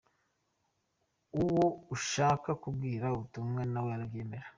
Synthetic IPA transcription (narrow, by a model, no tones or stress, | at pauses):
uwouʃaːkakubɡiːɾauβutumŋenaweɾɡiːmbeɾa